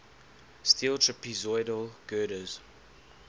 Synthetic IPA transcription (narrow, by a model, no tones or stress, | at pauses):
stiːlˠtʰɹɛpʰizɔɪdəlˠɡ̥ɜːɾəz̥